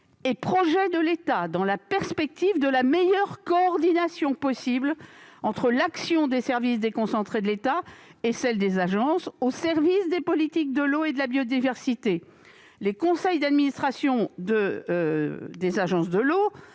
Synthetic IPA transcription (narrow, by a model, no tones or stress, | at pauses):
epχɔʒɛd̪əlet̪ad̪ɑ̃lapɛʁspɛk̚t̪ivd̪əlamejœʁkɔːʁd̪inasjɔ̃pɔsiblɑ̃t̪χəlaksjɔ̃d̪esɛʁvisd̪ekɔ̃sɑ̃t̪χed̪əlet̪aesɛld̪ezaʒɑ̃sosɛʁvisd̪epɔlit̪ik̚d̪əloed̪əlabjod̪ivɛʁsit̪e | lekɔ̃sɛjd̪ad̪minist̪χasjɔ̃d̪ə | d̪ezaʒɑ̃sd̪əlo